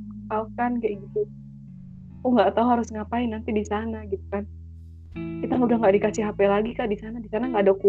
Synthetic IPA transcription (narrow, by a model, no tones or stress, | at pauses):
palkanɡaʔɡit̪u | uŋɡaʔt̪aɦuɦaɾʊsŋapaɪnːant̪idisanaɡit̪̚u̥kan | kit̪aŋudahŋɡaʔdikat͡ʃiɦapɛlaɡikaʔdisanadisanaŋɡaʔdaku